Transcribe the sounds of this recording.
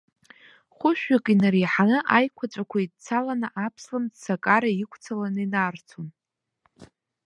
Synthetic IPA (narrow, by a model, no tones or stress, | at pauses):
χʷʊʃᶣakʼinariħanɨʔajkʷʰat͡ʃʷʼakʷʰaitt͡sʰalanaʔapʰslamdsakʼaɾaikʷʰt͡sʰalanɨinart͡sʰon